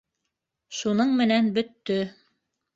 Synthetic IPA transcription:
ʃunɤɴmɘ̆nænbɵ̆t̪ːɵ

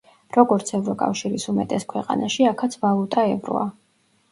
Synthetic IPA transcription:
ɾɔɡɔɾt̪sʰɛvɾɔkʼa̰fʃiɾisumɛt̪ʼɛskʰwɛqʼa̰naʃiakʰat̪sʰvalˠut̪ʼaɛvɾɔ̰a

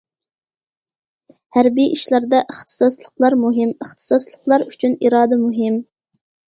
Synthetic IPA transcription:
hæɾbijʔiʃlˠɑɾd̪ɑʔəχt̪ʰɨ̥sɑslˠəqlˠɑɾmuɦɪməχt̪ʰɨ̥sɑslˠəqlˠɑɾyt͡ʃʰyniɾɑːd̪ɛmuɦɪm

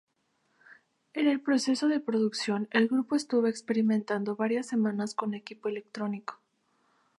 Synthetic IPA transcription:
e̞ne̞lpɾo̞se̞so̞ðe̞pɾo̞ðuksjo̞ne̞lɣɾupo̞est̪uβo̞ekspe̞ɾimẽnt̪and̪o̞βaɾjasːe̞mãnasko̞ne̞kipo̞ele̞k̚t̪ɾo̞niko̥

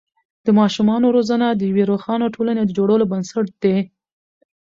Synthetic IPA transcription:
d̪̥əmɑʃumɑnoɾozanad̪əjaweɾoxɑnoʈʰolaned̪əd͡ʒoɽəlobənsaʈ̚d̪̥e

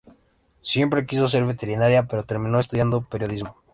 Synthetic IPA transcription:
sje̞mpɾe̞kis̬o̞s̬e̞ɾβe̞t̪e̞ɾinaɾjape̞ɾot̪e̞ɾmĩno̞est̪uðjand̪o̞pe̞ɾjo̞ð̞izmo

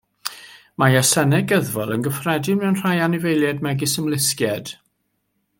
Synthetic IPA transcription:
majasɛnɛɡəðvɔlˠənɡəfrɛdɪmɛwnr̥ajanɪvejlˠjɛdmɛɡɪsəmlˠɪskjɛd̥

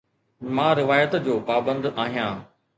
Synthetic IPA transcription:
mãːɾɪʋaːjət̪d͡ʑoːpaːbə̃nd̪aːɦijãː

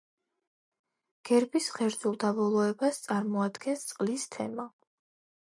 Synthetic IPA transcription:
ɡ̥ɛɾbisχɛɾd̪zulˠd̪abɔlˠɔɛbast̪sʼaɾmɔad̪ɡɛnst̪sʼqʼlist̪ʰɛ̰ma

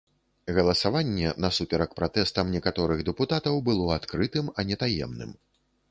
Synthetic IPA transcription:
ɣɐlˠɐsavanʲːɛnɐsupʲɛɾɐkpɾat̪ɛst̪ɐmnʲɛkat̪ɔɾɨɣd̪ɛput̪at̪ɐwbɨlˠɔat̪kɾɨt̪ɨmɐnʲɛt̪ajɛ̰mnɨ̰m

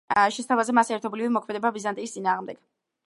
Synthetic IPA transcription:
ʃɛst̪ʰavazɛmasɛɾt̪ʰɔblivimɔkʰmɛd̪ɛbabizant̪ʼiːst̪sʼinaːʁmd̪ɛɡ̥

